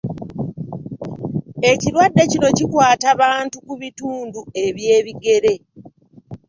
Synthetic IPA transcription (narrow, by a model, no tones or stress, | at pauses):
e̞ciɾwadːe̞cino̞cikwaːtaβaːntukuβituːndue̞βje̞ːβiɡe̞ɾe̞